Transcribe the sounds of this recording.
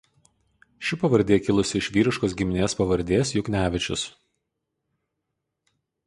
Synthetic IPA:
ʃʲɪpɐʋɐɾʲd̪ʲeːkʲɪlˠʊsʲɪɪʃʲʋʲiːɾʲɪʃkoːs̬ɡʲɪmʲɪnʲeːspɐʋɐɾʲd̪ʲeːsjʊknʲæːʋʲɪt͡ʃʲʊ̰s

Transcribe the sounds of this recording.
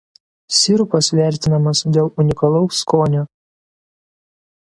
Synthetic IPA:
sʲɪɾʊpɐsʋʲæˑɾʲt̪ʲɪnɐmɐsd̪ʲeːlˠʊnʲɪkɐlˠɒʊskoːnʲu

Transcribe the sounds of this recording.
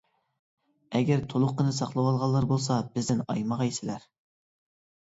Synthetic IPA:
ɛɡʲæɾt̪ʰolˠʊqːənɨsɑqlˠɨwɑlˠʁɑlˠːɑɾbolˠsɑb̥ɪzd̪ɪnɑjmɑʁɑjsɪlæɾ

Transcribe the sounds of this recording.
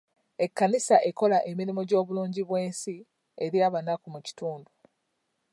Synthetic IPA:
e̞kːanisaʔe̞ko̞laʔe̞miɾimoɟo̞ːβuluːɲɟiβwe̞ːnsi | e̞ɾjaːβanakumuci̥tuːndu

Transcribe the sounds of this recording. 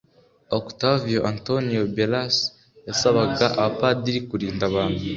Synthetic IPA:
oktavijoʔantonijobelas | jasaβaɡaʔapadiɾikuɾiːndaβaːnhu

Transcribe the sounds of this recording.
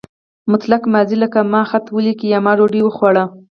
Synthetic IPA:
mʊt̪lakmaziləkamɑxat̪wəlikiamɑɾoɖiwəxwaɽa

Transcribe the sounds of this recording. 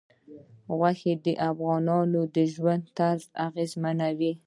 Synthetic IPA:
ɣwaxed̪əʔafɣɑnɑnod̪əʒwand̪̚t̪aɾzaɣezmanawi

